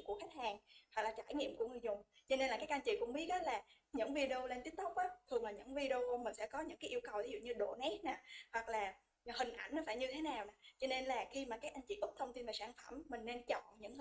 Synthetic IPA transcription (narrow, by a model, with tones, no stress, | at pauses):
mku˧˩əxa˦˥jk̟̚haː˨˩ŋwa˨˩laː˨˩t͡ɕaː˧˩jŋḭ˧˨əmku˧˩əŋɨ˨˩əzʊ˨˩ŋ͡mt͡ɕɔ˧ne˧nla˨˩kaː˦kʔa˧ŋ̟t͡ɕḭ˧˨kʊ̰˧˥ŋ͡mɓi˨˦˥ək̚ɗɔ˨˦laː˨˩ | ɲɨ̰˧˥ŋvi˧ɗe˧o˧le˧nt̪i˦ət̪ə˦˥k͡p̚ʔaː˨˦t̪ʰɨ˨˩əŋlaː˨˩ɲɨ̰˧˥ŋvi˧ɗe˧o˧mï˨˩ŋ̟sɛ̰˧˥kɔ˨˦ɲɨ̰˧˥ŋkaː˨˦jʔi˧ə˧wkə˨˩wt̪ʰi˨˦zṵ˧˨ɲɨ˧ɗo̰˧˨nɛ˦˥t̚na˨˩hwa˨˩k̚laː˨˩ | hï˨˩ŋ̟ʔa˧˩jnɔ˨˦faː˧˩jɲɨ˧t̪ʰe˨˦naː˨˩wna˨˩t͡ɕɔ˧ne˧nlaː˨˩xi˧maː˨˩kaː˨˦˥k̚ʔa˧jŋ̟t͡ɕḭ˧˨ʔʊ˦˥k͡p̚t̪ʰə˧wŋ͡mt̪i˧nvaː˨˩saː˧˩nfə˧˩mːï˨˩ŋ̟ne˧nt͡ɕɔ̰˧˨ɲɨ̰˧˥ŋ